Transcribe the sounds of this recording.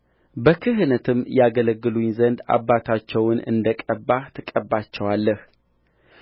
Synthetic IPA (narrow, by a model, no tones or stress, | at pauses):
bəkʰɨɦnət̪ʰɨmjaɡələɡːɨluɲzənd̪a̰bːat̪ʰat͡ʃːɛwnɨ̰nd̪əkʼəbːat̪ʰɨkʼəbːat͡ʃːɛwalːəh